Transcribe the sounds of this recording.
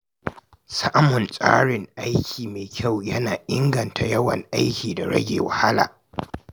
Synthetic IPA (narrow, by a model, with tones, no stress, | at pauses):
sa˦ʔmʊ˨nsʼa̰ː˦ɽɪ˨ŋʔa˦jkʲʰiː˨meː˨kʲʰa˦˨wjɐ˦naː˨ʔɪ˦ŋɡɐ˨ntʰa˨jɐ˦wɐ̰˨ŋʔa˦jkʲiː˨da˨ɽɐ̰˦ɡʲḛː˨wa˨ha˦la̰ː˨